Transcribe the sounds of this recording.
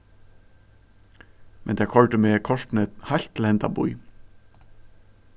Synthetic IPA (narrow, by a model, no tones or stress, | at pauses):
mʔɛnd̪ʰɛːkhɔlʈ̪əmeːkʰɔʂt̪n̩ɛt̪haɪlt̪ʰlɛnt̪a̰bṵʏ